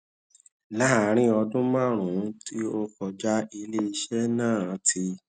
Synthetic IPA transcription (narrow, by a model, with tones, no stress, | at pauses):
la˦˨˦ɾ̃ĩ˦ɔ˧dũ˦mã˦˨ɾ̃ũ˨˦ti˦o˧fɔ˨d͡ʒa˦i˧le˦i˧ʃɛ˦nãː˦˨˦tʰi˧